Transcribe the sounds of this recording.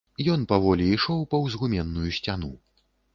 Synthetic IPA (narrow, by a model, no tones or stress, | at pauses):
jɔnpavɔlʲiːʂɔwpɐwzɣumʲɛnːujusʲt͡sʲanu